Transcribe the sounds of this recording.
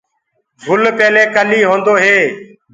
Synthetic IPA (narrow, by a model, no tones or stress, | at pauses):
bʱʊlpeːleːkəliːɦõːnd̪oːɦeː